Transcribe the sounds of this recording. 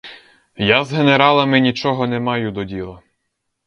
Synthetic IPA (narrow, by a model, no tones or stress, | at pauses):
jazɦeneɾɑlˠɐmɪnʲit͡ʃɔɦɔnɛmɑjʊd̪ɔdʲilˠɐ